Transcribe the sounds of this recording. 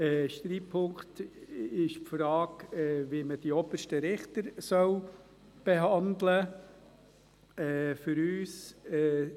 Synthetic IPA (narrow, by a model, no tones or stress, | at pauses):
ɛʃtɾiːpʰːʊŋktɪʃpfɾɑːkɛʋiməd̥iɔbəʃtəɾɪχt̪əɾsœw | b̥eɦɑnd̪lə | ɛːfʏɾyːsɛː